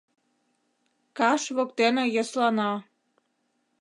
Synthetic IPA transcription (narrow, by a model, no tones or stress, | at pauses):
kɑʃβokt̪enejɑslɑnɑ